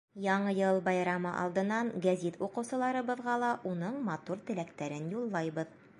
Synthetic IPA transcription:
jɒɴɤjɤlˠbɑjɾɑmɤ̰ʔɑ̰lˠd̪ɤ̆nːɑɴɡæzit̪uqɤ̆wsɤ̆lˠɑɾɤ̆bɤ̆ðʁɑlˠɑʔunɤɴmɑt̪uɾt̪ɘ̆lækt̪æɾɘnjulˠːɑjbɤð

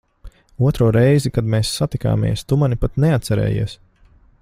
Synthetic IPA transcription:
uɔt̪ɾuɔɾɛjzikad̪meːsːat̪ika̰ːmḭɛst̪umanipat̪neat̪t̪sɛɾɛ̰ːjḭɛs

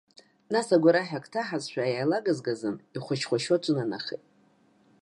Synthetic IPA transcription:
nasaɡʷaɾaħᶣakʰʼtʰaħazʃʷᶣaːjajlaɡazɡazɨniχʷʊt͡ʃʰχʷaʃot͡ʃʷʼʊnana̰χḛtʼ

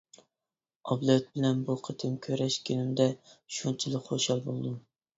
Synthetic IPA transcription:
ɑblˠɛt̪̚bɪlɛnbuqʰət̪ʰɨmkʲʰøɾɛʃkʲʰinɪmd̪ɛʃunt͡ʃʰilˠɨkχoʃɑlˠbolˠd̪um

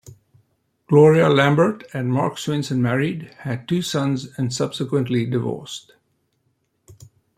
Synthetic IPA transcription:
ɡ̥lɔːɹiəlæ̃mbə˞tɨ̃nmɑ̰ɹkswɪ̃nsə̃nmæɹidhæd̚tuːsʌ̃nzɨ̃nsʌb̥sɪkwə̃ntlidɪvɔ̰ːst

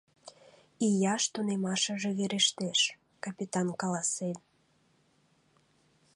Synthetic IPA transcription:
ijɑʃt̪unemɑʃəʒeβeɾeʃt̪eʃ | kɑpʲit̪ɑnkɑlɑsen

